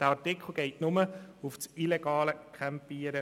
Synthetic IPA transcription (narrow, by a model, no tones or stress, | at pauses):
d̥əɑtɪkχl̩ˠɡeɪtnʊməufsileɡ̥ɑːləkʰɛmpiːəɾə